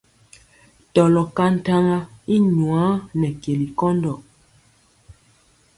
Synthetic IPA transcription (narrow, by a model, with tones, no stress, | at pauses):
tɔ˨lɔ˨ka˦n̩˦ta˦ŋa˦i˦ɲwa˨˦nɛ˨ke˨li˨kɔ˦ndɔ˨